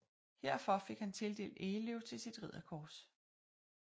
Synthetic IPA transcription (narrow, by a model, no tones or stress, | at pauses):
heɐ̰fɒ̽fe̝ɡ̥hænt͡sʰe̝ld̥e̝̰ːld̥eleʊ̰t͡sʰe̝lsid̥ʁið̞̰ˠɐkʰɒːs